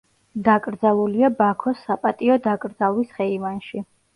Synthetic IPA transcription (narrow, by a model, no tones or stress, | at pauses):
d̪akʼɾd̪zalˠuliabakʰɔsːapʼat̪ʼiɔd̪akʼɾd̪zalˠwisχɛivanʃi